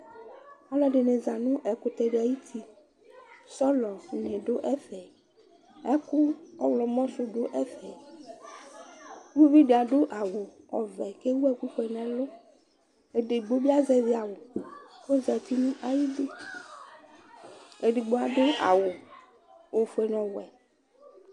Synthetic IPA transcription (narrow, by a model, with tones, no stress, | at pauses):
a˨lɔ˦ɖe˨ne˨za˨nũ˦ʔɛ˨kʊ˨t̪ɛ˨ɖe˨a˨ji˦t̪ʰi˦ | sɔ˦lɔ˨ɲẽ˨ɖo˦ʔɛ˦fɛ˨ | ɛ˦kʊ˦ɔ˦wlɔ˨mɔ̃˦sʊ˦ɖo˦ʔɛ˦fɛ˨ | ku˦vi˦ɖe˨a˨ɖo˦ʔa˨wo˨ | ɔ˨vɛ˨ke˦wu˦ɛ˦ku˦ɸe˨nɛ̃˨lo˦ | e˨ɖe˨ɡ͡bo˦bi˦a˦zɛ˨vi˦a˨wo˨ko˦zɛ˨t̪i˦nũ˦ʔa˨ji˦de˦ | e˨ɖi˨ɡ͡bo˨a˨ɖo˦ʔa̰˨wo˨ | wo˨fe˨nɔ̃˨wɛ˨